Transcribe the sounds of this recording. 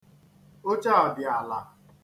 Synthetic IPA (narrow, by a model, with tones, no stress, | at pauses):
o˦t͡ʃa˦ɔ˨dɪ˨a˨la˨